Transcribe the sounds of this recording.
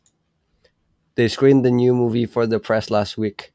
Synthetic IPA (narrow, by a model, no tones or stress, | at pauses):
ðeɪskɹĩmd̪ɨnjumuvifə˞ðəpʰɹ̥ɛslæst̚wik